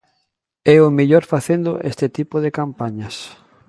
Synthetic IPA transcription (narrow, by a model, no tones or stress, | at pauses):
ɛʊmiʎoɾfaθend̪oʔest̪ɪt̪ipoð̞ekampaɲɐs